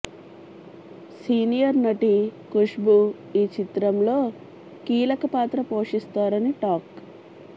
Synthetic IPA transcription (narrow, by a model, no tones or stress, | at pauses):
siːnijɐɾnɐʈikuʂbu | iːt͡ʃit̪ɾɐmlo̞ː | kiːlɐkɐpaːt̪ɾɐpo̞ːʂist̪aːɾɐniʈaːk